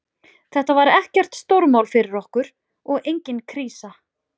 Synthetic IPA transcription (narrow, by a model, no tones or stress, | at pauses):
θɛht̪avaɾɛhcɛr̥t̪st̪owɾmaːwlfɪɾɪɾɔhkʏɾ̥ | ɔɣejɲcɪnkʰɾiːsa